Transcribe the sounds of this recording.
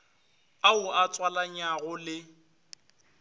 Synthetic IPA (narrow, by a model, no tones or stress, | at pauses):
aʊat͡sʼwalaɲaɣʊlɪ